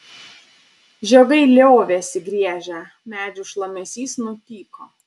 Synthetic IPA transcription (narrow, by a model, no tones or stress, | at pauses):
ʒʲɛɡɐɪlʲoːʋʲesʲɪɡɾʲiɛʒʲɛ | mʲæːd͡ʒʲʊʃlˠɐmʲɛsʲiːsnʊt̪ʲiːkoː